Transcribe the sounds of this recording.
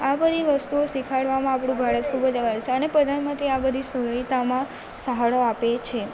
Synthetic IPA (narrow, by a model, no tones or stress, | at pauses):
abəd̪ʱiʋəst̪uosikʰaɽʋamãapɳũbʱaɾət̪kʰubəd͡ʒəɡaɭt͡ʃʰeənepɾəd̪ʱanmənt̪ɾiabəd̪ʱisəɦəit̪amã | səɦaɭoapet͡ʃʰe